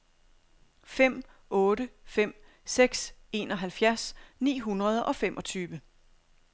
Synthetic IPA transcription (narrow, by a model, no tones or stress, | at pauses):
fem̰ | ɔ̽ːɾəfem̰ | seɡ̥se̝̰ːnɒ̽ɦælfjæɐsnḭːɦunʁɐð̞ˠʔɒ̽femʔɒ̽t͡sʰyːʋə